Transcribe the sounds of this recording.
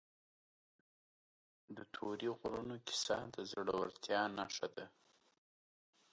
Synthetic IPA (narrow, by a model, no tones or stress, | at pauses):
d̪ət̪ʰoɾiɣɾunokɪ̥sɑd̪əzɽawa̰ɾt̪jɑnaʂad̪a